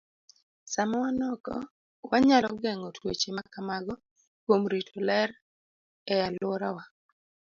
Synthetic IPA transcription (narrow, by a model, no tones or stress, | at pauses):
samɔwanɔkɔ̰ | waɲalɔɡɛŋɔtʰwet͡ʃemakamaɡɔ | kwomɾitʰɔlɛɾ | ɛalwɔɾawa